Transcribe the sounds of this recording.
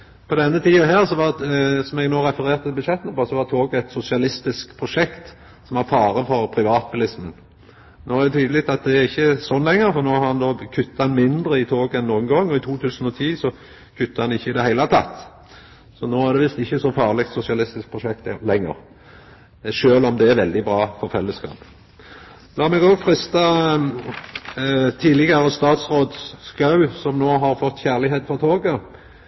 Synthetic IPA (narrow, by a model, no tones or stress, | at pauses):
pʰɔd̪ɛnːət̪ʰiːɑɦæːʁsɔʋɑsɔmɛɡnoːɾɛfəɾeːɾt̪ət̪ʰɪbʉd̪ʃɛt̪ənəpɔsɔʋɑt̪ʰoːɡɛɪt̪sʊsɪɑlɪst̪ɪskpʰɾʊʂɛkt̪ | sɔmɑfɑːɾəfɔɾpʰɾɪʋɑːt̪̚bʉlɪsmən | noːæʁd̪ɛt̪ʰyːd̪əlɪk̚t̪ɑt̪̚d̪ɛæɾɪçːəsɔnlɛŋːəɾfɔʁnoːhɑʁhɑnd̪oːkʰʉt̪ːɑɑnmɪnd̪ɾəɪt̪ʰoːɡɛnːuːənɡɔŋːɔɪt̪ʰuːt̪ʰʉːsən̩ɔt̪ʰiːsɔ | kʰʉt̪ːɑɑnɪçːəɪd̪ɛhæɪlɑt̪ʰɑ̰t̪ː | sɔnoːæʁd̪ɛʋɪst̪ɪçːəsɔfɑːʁlɪkt̪sʊsɪɑlɪst̪ɪsk̚pʰʁʊʃɛk̚t̪lɛŋːə̰ʁ | ʃøːlɔmd̪ɛæʁʋɛld̪ɪbʁɑːfɔʁfɛlːəskɑ̰ːp | lɑːmɛɡoːɡfɾɪst̪ɑ | t̪ʰiːlɪɡɑɾəst̪ɑːt̪sʁoːd̪skɑʉsɔmnoːɦɑʁfɔt̪ːçæʁlɪɦeːt̪fɔʁt̪ʰoːɡə